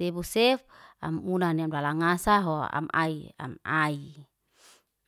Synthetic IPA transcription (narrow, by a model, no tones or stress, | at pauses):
ebusɛfa̰munaniamdalaŋasaɦoa̰ma̰ia̰mai